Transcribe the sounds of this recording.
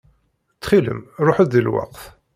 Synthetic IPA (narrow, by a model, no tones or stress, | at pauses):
t͡sːχilə̰mɾˤoħəðilwɑ̰qθ